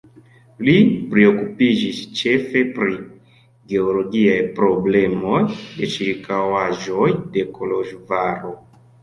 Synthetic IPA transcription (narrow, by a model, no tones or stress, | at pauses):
lipɾeo̞kupid͡ʒist͡ʃe̞fe̞pɾi | ɡe̞olo̞ɡiajpɾo̞ble̞mo̞jde̞t͡ʃiɾikawaʒojde̞kʰoloʒvaɾo